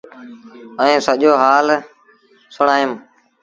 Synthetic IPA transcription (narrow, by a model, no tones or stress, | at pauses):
əĩːsəʄoːɦaːl | sʊɳaːjəm